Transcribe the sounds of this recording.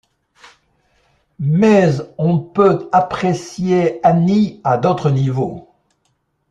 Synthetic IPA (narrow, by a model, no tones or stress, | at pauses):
mɛzɔ̃pøapχesjeaniad̪ot̪χənivo̰